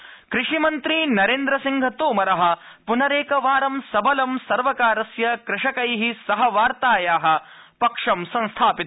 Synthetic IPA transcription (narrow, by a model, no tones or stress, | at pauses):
kɾɪʂimɐnt̪ɾinɐɾeːnd̪ɾɐsiŋɡʱɐt̪oːmɐɾɐɦɐ̆ | punɐɾeːkɐʋaːɾɐmsɐbʱɐlɐmsɐɾʋɐkaːɾɐsjɐkɾɪʂɐkɐjɦisɐɦɐʋaːɾt̪aːjaːɦɐ̆ | pɐkʂɐmsɐ̃nst̪ʰaːpit̪